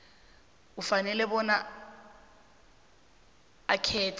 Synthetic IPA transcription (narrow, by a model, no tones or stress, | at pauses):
ufanɛlɛbɔna | akʰɛːtʰ